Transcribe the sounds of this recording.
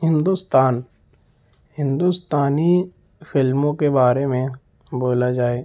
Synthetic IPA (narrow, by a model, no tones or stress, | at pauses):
ɦɪ̃nd̪ʊst̪aːn | ɦɪ̃nd̪ʊst̪aːni | fʰɪlmõkebaːɾemẽ | boːlad͡ʒaːeː